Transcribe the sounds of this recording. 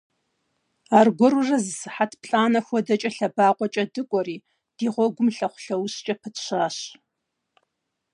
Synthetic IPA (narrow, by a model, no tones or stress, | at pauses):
aːrɡʷɔrurɐzsɨħatʰpʰɬʼaːnɐxʷɔdɐt͡ʃʼɐɬɐbaːqʷʼɔt͡ʃʼɐdɨkʷʼɔriː | d̥iːʁʷɔɡʷʊmɬɐχʷʊ̥ɬɐwɕt͡ʃʼɐpʰɨtʰɕaːɕ